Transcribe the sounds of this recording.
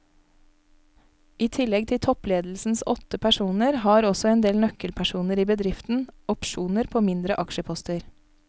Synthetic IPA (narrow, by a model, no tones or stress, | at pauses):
iːt̪ʰɪlɛɡ̚t̪ʰɪt̪ʰɔpleːd̪l̩sn̩sɔt̪əpʰæʃuːnəɾhɑːɾɔsɔeːnd̪eːlnœkəlpʰæʃuːnəɾiːbəd̪ɾɪft̪n̩ɔpʃuːnəɾpʰoːmɪnd̪ɾəʔɑkʃəpʰɔst̪əɾ